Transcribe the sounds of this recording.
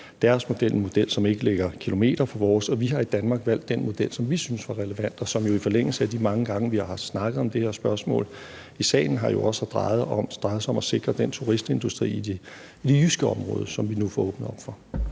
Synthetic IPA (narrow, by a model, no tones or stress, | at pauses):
d̥æɐsmo̝d̥elʔenmo̝d̥el̰sɒ̽me̝ɡ̥əleɡ̥ɐkʰilo̝me̝̰ːd̥ɐfʰɒ̽ʋɒːsɒ̽ʋiɦɑ̈id̥ænmɑ̈ːɡ̥ʋæl̰d̥ːenmo̝d̥el̰sɒ̽mʋisynəsʋɑ̈ʁɛləʋæn̰d̥ɒ̽sɒ̽mjo̝ifɒ̽leŋ̰l̩səæd̥imɑ̈ŋəɡ̥ɑ̈ŋəʋihɑ̈hɑ̈snɑ̈ɡ̥ð̩ˠɒ̽md̥e̝heɐsb̥ɶɐsmɔ̰̽ːl | isɛ̰ːɪn̩ɦɑ̈jo̝ʔɒ̽sɑd̥ʁɑ̈ɪð̩ˠɒmd̥ʁɑ̈ɪð̩ˠsɒ̽mæse̝ɡ̥ʁɐd̥en̰t͡sʰuʁisd̥e̝nd̥usd̥ʁḭ̥ː | id̥e̝jysɡ̥əɒ̽mʁɔ̽ːð̞ˠsɒ̽mʋinufɒɔ̽ːb̥nəɒ̽b̥fɒ̽